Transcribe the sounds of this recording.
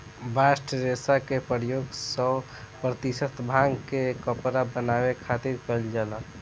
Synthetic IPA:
bʱasʈɾesakepəɾjoɡsə | pɾət̪isət̪ʰbʱãŋɡkekəpɾabənabekʰat̪iɾkəld͡ʒala

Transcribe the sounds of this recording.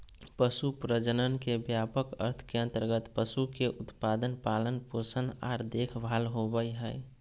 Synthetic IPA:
pəsupɾəd͡ʒənənkebjaːpəkə̰ɾt̪ʰkeə̃nt̪əɾɡət̪pəsukeʔʊt̪paːd̪ənpaːlənpoɾsənaːɾd̪eːkʰbʱaːlɦobəiɦɛː

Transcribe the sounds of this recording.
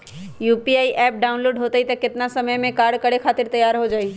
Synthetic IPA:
juːpiaːiʔɛːp̚ɖaːʊnloːɖɦoːt̪əit̪ɐkɪt̪ɪnasɐməjmẽkaːɾɖkɐɽekʰaːt̪ɪɾt̪ɐjaːɾɦod͡ʒaːiː

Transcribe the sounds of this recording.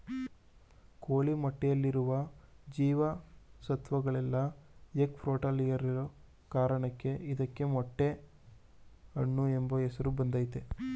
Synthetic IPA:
koːɭimɐʈːɛjɐlːiɾuʋɐd͡ʒiːʋɐsɐt̪ʋɐɡɐɭɛlːɐjekpʰɾoːʈɐlijɐɾiɾo | kaːɾɐɳɐkːe̞ʔid̪ɐkːe̞mɔʈːe̞ | ɐɳːuembɐɛsɐɾubɐnd̪ɐːjt̪e

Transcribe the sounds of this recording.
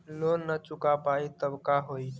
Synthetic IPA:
lonːət͡ʃukapait̪əbkaɦoi

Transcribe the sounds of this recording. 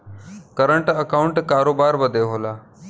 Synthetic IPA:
kəɾəɳʈəkauɳʈkaɾobaɾbəd̪ʱeɦola

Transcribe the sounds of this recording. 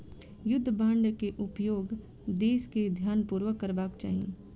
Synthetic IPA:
jʊd̪ʱːbãːɳɖkeʔʊpjoːɡ | d̪eːsked̪ʱjaːnpuːɾʋəkːəɾbaːkt͡ʃa̰ːɦijḛ̃ː

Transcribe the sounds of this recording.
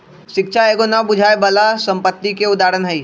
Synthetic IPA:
ʃɪkʃʰaeːɡonabʊd͡ʒʱaːebəlasə̃mpət̪ːikeʊd̪aːɾənɦəi

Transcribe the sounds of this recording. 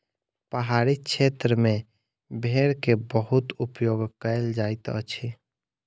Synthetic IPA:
pəɦaɾit͡ʃʰet̪ɾəmẽ | bʱeɾkebəɦut̪upjoɡkəjld͡ʒaɪt̪ə̰t͡ʃʰi

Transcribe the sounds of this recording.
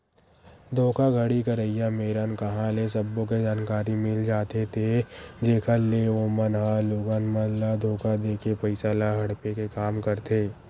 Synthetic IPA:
d̪ʱoːkaɡʱəɽikɐɾəijameːɾankɐɦãlesɐbːõk̬ed͡ʒaːnkaːɾimɪld͡ʒaːt̪et̪ʰed͡ʒeːkʰəleoːmənɦaloːɡanmənlad̪ʱoːkad̪eːkʰepɐɪsalaɦɐɽpekekaːmkɐɾt̪ʰeː

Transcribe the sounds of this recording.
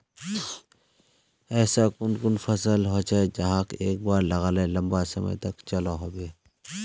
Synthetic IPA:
ɛːsakʊnkʊnfɐsəlɦoːt͡ʃaed͡ʒɐɦãkeːk̚baːɾlɐɣalelɐ̃mbasɐmə̰jt̪ɐkt͡ʃɐlaɦoːbeː

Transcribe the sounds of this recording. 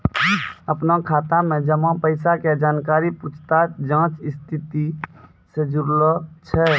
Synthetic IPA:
əpnakʰaːt̪amẽd͡ʒəmãpəɪsaked͡ʒaːnkaːɾiput͡ʃʰt̪ad͡ʒãːt͡ʃɪst̪ʰit̪i | sed͡ʒuɾlɔt͡ʃʰɛ

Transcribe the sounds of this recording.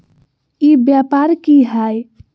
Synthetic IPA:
ibjapaɾkiɦaj

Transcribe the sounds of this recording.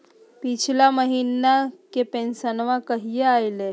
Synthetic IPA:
pit͡ɕʰilaməɦinakepensənʋãkəɦijeajle

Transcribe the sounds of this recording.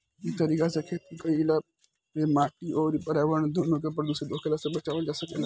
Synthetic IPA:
ɪt̪əɾiːkasekʰet̪ikəila | emaːʈiɔːɾpəɾaːʋəɾɳd̪ʱoːnõk̬ep̬ɾəd̪uːsed̪oːkʰelasebɐt͡ʃaːʋəld͡ʒaːsəke

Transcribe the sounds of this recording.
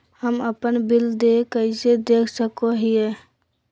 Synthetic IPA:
həməpənbild̪ekəɪsed̪ekʰsəkoɦije

